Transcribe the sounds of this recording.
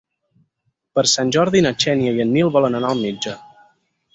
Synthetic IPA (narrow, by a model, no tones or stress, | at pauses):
pəɾsanʲʒɔɾðinət͡ʃɛnjəjənːilˠβɔlənənaəlˠmid͡ʒə